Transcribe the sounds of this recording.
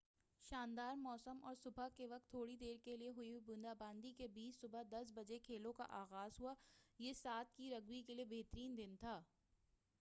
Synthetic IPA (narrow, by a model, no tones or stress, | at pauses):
ʃaːnd̪aːɾmɔːsəmɔ̰ːɾsʊbʱakeʋɐk̚t̪ʰːoːɽid̪eːɾkelieɦʊibʊ̃nd̪aːbãːnd̪ikebiːt͡ʃsʊbad̪ɐs̬bɐd͡ʒekʰeːlõka̰ʔaːɣaːzɦuajeːsaːt̪̚ʰkiɾɐɡwikeliebeːt̪əɾiːnd̪ɪnt̪ʰaː